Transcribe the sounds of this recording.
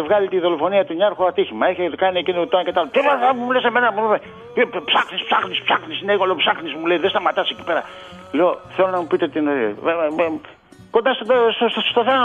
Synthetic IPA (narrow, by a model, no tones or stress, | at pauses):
evɣɐlit̪iðo̞lo̞fo̞niɐt̪uɲɐɾxoat̪içimɐeçekɐniecinot̪onke̞t̪ɐlot̪evaɐmuleseme̞nɐmuume | t̪ipsaxnispsaxnispsaxnisineeɣoleopsaxnismuleiðest̪ɐmat̪ɐseci̥pe̞ɾɐ | leoθelo̞nɐmupit̪e̞t̪ino̰ | ko̞nd̪ɐst̪d̪ossst̪oθe